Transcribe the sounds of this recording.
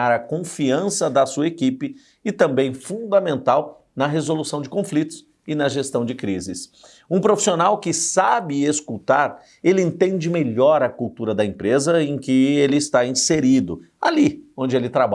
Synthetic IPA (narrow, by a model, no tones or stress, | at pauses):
aɾɐkõfiɐ̃sɐd̪ɐsuɐekipɪː | t̪ɐ̃mbẽj̃fũd̪ɐmẽnt̪aw | nɐɦezolusɐ̃w̃d͡ʒɪkõflit̪ʊ̥s | ɪnɐʒest̪ɐ̃w̃d͡ʒɪkɾizɪs | ũpɾofi̥sionawkɪsabɪeskut̪aɾ | elɪẽnt̪ẽd͡ʒɪmeʎɔɾɐkuwt̪uɾɐd̪ɐẽmpɾezɐẽj̃kɪelɪːst̪aĩseɾid̪ʊ̰ | aliõnd͡ʒɪelɪt̪ɾaba